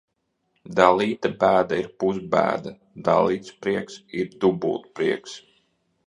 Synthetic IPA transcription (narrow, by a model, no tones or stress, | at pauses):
d̪alˠiːt̪abæːd̪aiɾpuzbæ̰ːd̪a | d̪a̰lˠiːt̪spɾiɛksiɾd̪ubṵːt̪pɾiɛks